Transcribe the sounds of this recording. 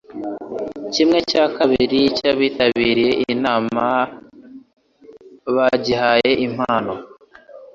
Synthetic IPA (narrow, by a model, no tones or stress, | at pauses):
cimŋe̞cakaβiɾicaβiːtaβiːɾije̞ʔiinaːma | βaɟihaje̞ʔim̥haːno